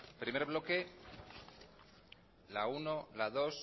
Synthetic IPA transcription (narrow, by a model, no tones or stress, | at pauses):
pɾime̞ɾβ̞lo̞ke̞ | launolaðo̞s